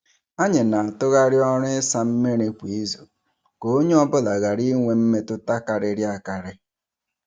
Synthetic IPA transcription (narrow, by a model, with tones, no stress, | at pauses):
a˦ɲɪ˨na˨a˨tʊ˦ɣa˦ɾjɔ˦ɾɪ˦sa˦m̩˦me˦ɾe˦kʷi˨˦zo̰˨ | ko˨˦o˦ɲe˦ɔ˦bʊ˦la˨ɣa˨ɾi˦ŋʷe˦m̩˦me˦tʊ˦ta˦ka˨ɾɪ˦ɾja˨ka˨ɾɪ˦